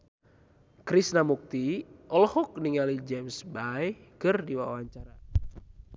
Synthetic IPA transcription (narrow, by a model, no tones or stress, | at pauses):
kɾisnamuk̚t̪iʔɔlɔhɔk̚niŋalid͡ʒɛmsbajkɨrdiwa̰waɲt͡ʃaɾa